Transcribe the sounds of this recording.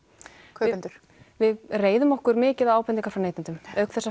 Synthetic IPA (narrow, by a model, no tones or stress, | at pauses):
kʰːnt̪ʏɾ̥ | vɪðreːjðʏmɔhkʏɾmɪːcɪðaaːwpɛniŋkaɾ̥fɾanejt̪ɪnt̪ʏmœɥkθɛsːa